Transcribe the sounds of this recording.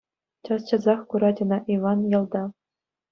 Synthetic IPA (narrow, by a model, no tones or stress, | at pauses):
t͡ɕɑst͡ɕɤ̆zɑχkuɾɑd͡ʑʲɤ̆nɑʔiʋɑnjɑ̆lˠd̪ɑ